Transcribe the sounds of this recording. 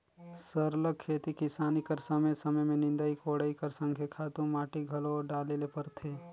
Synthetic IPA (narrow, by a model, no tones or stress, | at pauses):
səɾləkkʰːeːt̪ikɪsaːnikəɾsəməjsɐməjmẽnɪ̃nd̪aikoːɽəikəɾsə̃ŋkʰjekʰaːt̪ũmaːʈiɡʱɐloɖaːlelepɐɾt̪ʰeː